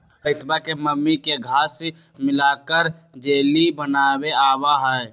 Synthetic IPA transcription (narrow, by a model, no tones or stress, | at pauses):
pəɪt̪bakeməmːikeɡʱaːs | mɪlakəɾd͡ʒeːlibənaːbeaːbaɦəɛ